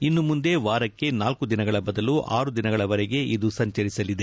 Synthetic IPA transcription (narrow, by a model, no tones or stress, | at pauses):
inːumund̪e̞ʋaːɾɐkːe̞naːlkud̪inɐɡɐɭɐbɐd̪ɐluʔaːɾud̪inɐɡɐɭɐʋɐɾɛɡe̞ʔid̪usɐɲt͡ʃɐɾisɐlid̪e